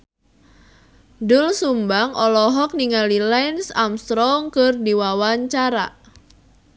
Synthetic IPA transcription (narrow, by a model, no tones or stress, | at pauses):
dʊlsumbaŋɔlɔɦɔk̚niŋalilɛnsamst̪ɾɔŋkɨrdiwawaɲt͡ʃaɾa